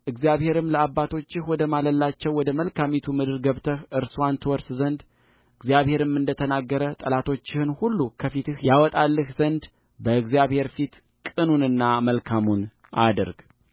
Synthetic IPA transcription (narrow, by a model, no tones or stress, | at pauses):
ʔɨɡzjaβhe̞ɾɨmləabːat̪ʰo̞t͡ʃːɪhwɔd̪əmaləlːat͡ʃːɛwːɔd̪əməlkʰamit̪ʰumɨd̪ɨɾɡəβt̪ʰəhʔɨɾsant̪ʰɨwɔɾszənd̪ | ɨɡzijaβhe̞ɾɨmːɨnd̪ət̪ʰənaɡːəɾət̪ʼəlat̪ʰo̞t͡ʃːɪhɨnhulːukʰəfit̪ɨhjawɔt̪ʼalːɨhzənd̪ | bəɨɡzijaβhe̞ɾfit̪ | kʼɨnunɨnːaməlkʰamun | ʔa̰d̪ə̰ɾɡ